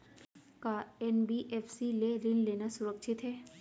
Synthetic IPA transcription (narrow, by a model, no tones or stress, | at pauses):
kaɛnbiʔeːfsileɾɪnleːnasʊɾəkʃʰɪt̪ɦɛː